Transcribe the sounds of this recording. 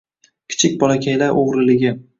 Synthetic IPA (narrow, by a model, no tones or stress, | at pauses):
kʲʰɪ̥t͡ʃʰɪk̚ʲbɒlakʲʰajlaɾʔoʁɾɪlɪɡʲɪ